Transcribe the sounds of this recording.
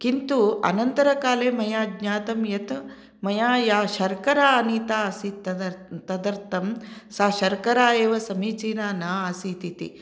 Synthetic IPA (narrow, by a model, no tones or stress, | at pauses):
kint̪uɐ̰nɐnt̪ɐɾɐkaːleːmɐjaːɡɲaːt̪ɐmjɐt̪ | mɐjaːjaːʃɐɾkɐɾaːɐniːt̪aːɐsit̪t̪ɐd̪ɐɾt̪ɐmsaːʃɐɾkɐɾaːeːʋɐsɐmiːt͡ʃiːnaːnaːɐsit̪it̪ḭ